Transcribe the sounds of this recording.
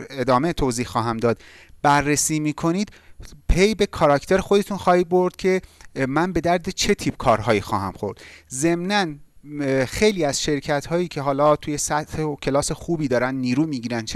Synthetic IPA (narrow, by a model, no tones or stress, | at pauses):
ed̪ɒːmet̪ʰoːziːhxɒːɦæmd̪ɒːd̪ | bæɾːesiːmiːkʰo̞niːd̪̥ | pʰejbe̞kʰɒɾɒcʰt̪ʰeɾexo̞d̪e̞t̪ʰunxɒːhiːd̪̚bo̞ɾd̪̥cʲʰe̞mænbe̞d̪æɾd̪et͡ʃʰe̞t̪ʰiːb̥̚kʰɒːɾɦɒːjiːxɒ̰ːhæmxo̞̰ɾd̪̥ze̞mnæn | xe̞jliːæz̥ʃe̞ɾcʰæt̪hɒːjiːcʰe̞ɦɒːlɒːt̪ʰuːje̞sæt̪hecʲʰe̞lɒːse̞xuːbiːd̪ɒːɾænd̪niːɾuːmiːɟiːɾænt͡ʃʰ